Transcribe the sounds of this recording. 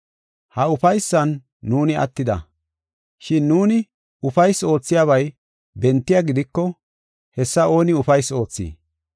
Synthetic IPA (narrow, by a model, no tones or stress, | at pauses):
hɐʊfɐjsːɐnː | uːnɪɐ̰t̪ːɪd̪ɐ̰ | ʃɪnːuːnɪ | ʊfɐjso̞ːt͡sːɪjaːβɐj | bɛnt̪ːɪjaɡɪd̪ɪkːɔ | hɛsːɐo̞ːnɪʊfɐjso̞ːt͡sːḭː